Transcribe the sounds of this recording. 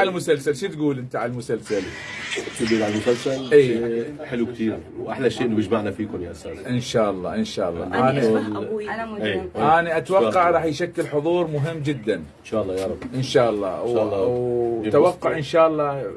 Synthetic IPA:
almʊsalsalʃit̪ɡuːlʔɪnt̪aʕallmʊsalsal | t̪ibiːlʕalmʊsalsalʔiːħɪlukt̪iːɾ | wʔaħlaʃːeːʔɪnːbjɪd͡ʒmaʕnafiːkʊmjaʔsaʔɪnʃaːʔɑlˤːɑ̰ːʔɪnʃa̰ːʔɑlˤːɑ̰ːʔʔaːni | eʔʔaːniʔat̪awɑqːɑʕɾˤɑːħjʃakːɪlħʊðˤuːɾˤmʊɦɪmːd͡ʒɪd̪ːan | nʃaːʔlˤːɑjaɾˤbʔɪnʃaːʔɑlˤːɑ̰ːwa | awaqːʊʕʔɪnʃaːʔɑlˤːɑː

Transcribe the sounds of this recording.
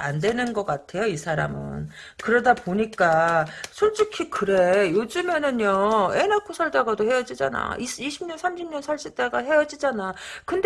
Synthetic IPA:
a̰ndwe̞nɯnɡʌk͈atʰe̞joisʰaɾa̰mɯ̰n | kɯɾʌdapoɲik͈asʰoɭt͡ɕ͈ikʰikɯɾe̞jod͡ʑɯme̞nɯnjʌenakʰosʰʌɭtaɡadohe̞jʌd͡ʑid͡ʑa̰na̰isiɕʰibɲʌnsʰamɕʰimɲʌnsʰaɭɕ͈it͈aɡaɦe̞jʌd͡ʑid͡ʑanakɯnd

